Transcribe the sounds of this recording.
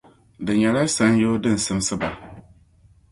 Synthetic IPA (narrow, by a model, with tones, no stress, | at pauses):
dɪ˨ɲa˨ɾa˦sã˨˦n˦jɪ˦dɪ˦n̩˨sɪ̃˦m˦sɪ˦ba˨